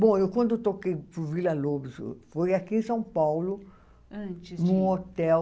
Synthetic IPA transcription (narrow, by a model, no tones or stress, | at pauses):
bõewkwɐ̃nd̪ʊt̪okejpɾʊvilɐlobɪz̰fojakiẽsɐ̃w̃pawlʊ | ɐ̃t͡ʃinũot̪ɛw